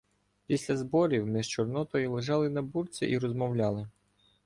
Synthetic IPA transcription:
pʲisʲlʲɐzbɔɾʲiwmɪʒt͡ʃɔrnɔt̪ɔjʊlˠɪʒɑlˠɪnɐburt͡sʲɛ̰ʔiɾɔzmɔwlʲɑlˠɪ

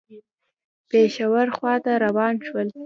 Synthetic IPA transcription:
peʃawaɾxwɑt̪aɾawɑnʃwəl

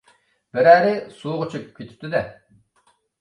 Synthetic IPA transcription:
bɪɾæːɾɪsuːʁʊt͡ʃʰukʲkʰʲːøt̪ʰɪ̥p̚t̪ʰɪd̪ɛ

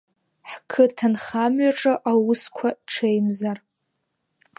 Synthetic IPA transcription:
ħkʰɨtʰanχamɥaʈ͡ʂʼaʔawʊskʷʰaʈ͡ʂʰejmzar

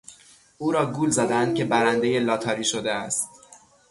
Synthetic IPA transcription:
uːɾɒːɡuːlzæd̪ænd̪̚cʲʰe̞bæɾænd̪e̞je̞lɒːt̪ʰɒːɾiːʃod̪eæst̪

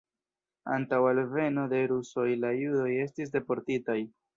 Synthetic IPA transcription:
a̰ntawalve̞no̞de̞ɾuso̞jlajudo̞je̞stis̬de̞po̞ɾtitaj

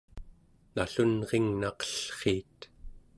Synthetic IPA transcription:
naɬunʁeŋnaqə̥ɬχiːt̪

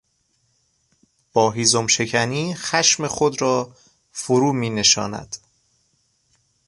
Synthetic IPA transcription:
b̥ɒːɦiːzomʃe̞cʰæniːxæʃme̞xod̪ɾɒː | foɾuːmiːne̞ʃɒ̰ːnæ̰d̪̥

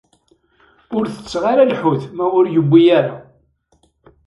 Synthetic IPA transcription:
ʊɾθə̥t͡sːʁaɾælħʊθmæʊɾjəbːijæɾa̰

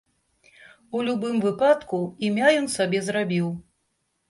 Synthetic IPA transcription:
ulʲubɨmvɨpat̪kuimʲajɔnsabʲɛzɾabʲiw

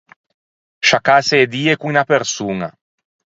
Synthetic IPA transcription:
ʃakaseːd̪iːekuinapeɾsuːna̰

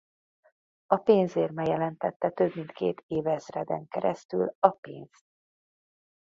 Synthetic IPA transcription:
ɒpeːnzeːrmɛjɛlɛnt̪ɛt̪ːɛt̪øbmint̪kḛːt̪ʰeːvɛzrɛd̪ɛ̰ŋkɛɾɛst̪y̰lɒpeːnst̪̚

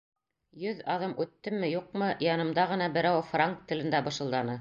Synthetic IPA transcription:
jɵðɑðɤmʔʉt̪ːɘmːɘjuq̚mɤjɑnɤ̆md̪ɑʁɤ̆nɑbɘ̆ɾæwfraŋk̚t̪ːɘ̆lɘ̆nd̪æbɤ̆ʃɤ̆lˠd̪ɑnɤ

